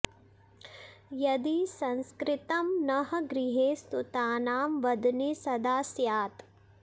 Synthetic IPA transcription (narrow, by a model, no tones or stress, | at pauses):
jɐd̪isɐ̃nskɾɪt̪ɐmnɐɦɐɡɾɪɦeːst̪ut̪aːnaːmʋɐd̪nesɐd̪aːsjaːt̪